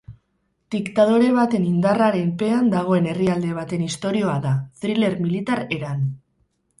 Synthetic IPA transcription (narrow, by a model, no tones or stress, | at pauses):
d̪̥ikt̪að̞o̞ɾe̞β̞at̪e̞nind̪araɾe̞mpe̞and̪aɣ̞o̞e̞ne̞riald̪e̞β̞at̪e̞nist̪o̞ɾio̞aðaθɾile̞ɾmilit̪aɾe̞ɾan